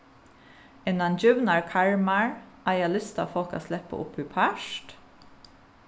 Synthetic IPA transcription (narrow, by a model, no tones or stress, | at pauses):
ɪnɑnd͡ʒʉʋnɑɹkʰɑɹmɑɹʔɑːjɑlʏst̪ɑ̰ːfɔko̰ːslɛpə̰ʔʊ̰pʰʉpʰæʃt